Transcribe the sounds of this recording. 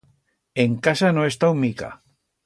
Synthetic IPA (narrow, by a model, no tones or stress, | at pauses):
eŋkasanoest̪awmika̰